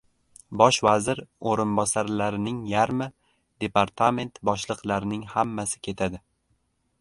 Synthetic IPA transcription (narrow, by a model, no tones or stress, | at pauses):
bɒʃvazɪɾoɾɪnbɒsaɾlaɾɪnɪŋjaɾmɪ | d̪e̞paɾt̪ʰame̞nt̪bɒʃlˠɨqlaɾɪnɪŋhamːasɪ̥kʲʰe̞t̪ʰad̪ɪ